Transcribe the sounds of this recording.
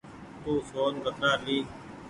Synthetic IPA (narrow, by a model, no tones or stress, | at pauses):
t̪uːsoːnkət̪naːɾliː